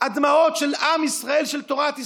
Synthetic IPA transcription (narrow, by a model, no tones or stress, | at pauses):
ad̪mao̞t̪ʃelamisʁae̞lʃelt̪oʁat̪i